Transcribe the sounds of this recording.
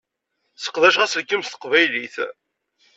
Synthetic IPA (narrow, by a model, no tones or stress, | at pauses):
sə̥qðæʃʁæsləkːəmst̪ə̥qvæjliθ